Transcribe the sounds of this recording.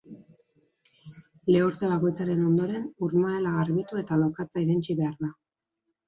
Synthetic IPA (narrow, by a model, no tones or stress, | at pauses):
le̞uɾt̪e̞βako̞jt͡saɾe̞no̞nd̪o̞ɾe̞nuɾmaelaɣaɾβit̪ue̞t̪alo̞kat͡saiɾent͡ʃiβe̞aɾða